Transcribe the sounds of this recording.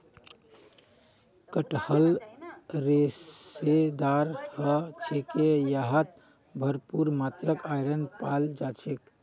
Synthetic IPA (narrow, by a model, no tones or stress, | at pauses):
kəʈhəl | ɾesed̪aɾhət͡ʃʰekejaɦət̪ | bʱəɾpuɾmat̪ɾəkajɾənpald͡ʒat͡ʃʰek